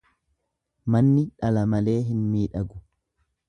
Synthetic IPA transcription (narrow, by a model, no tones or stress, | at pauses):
mɐnːɪᶑɐlɐmɐle̞ːɦɪnmiːᶑɐɡʊ